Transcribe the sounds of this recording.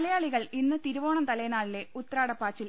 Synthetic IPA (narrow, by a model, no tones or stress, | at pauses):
lɐjaːɭiɣɐɭinːɨt̪iɾuʋo̞ːɳɐmt̪ɐlɐjnaːɭile̞ut̪ːraːɽɐpːaːt͡ɕːil